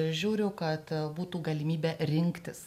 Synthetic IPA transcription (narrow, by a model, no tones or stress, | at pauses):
ʒʲuːɾʲʊʊkɐt̪buːt̪uːɡɐlʲɪmʲiːbʲɛɾʲɪŋkt̪ʲɪs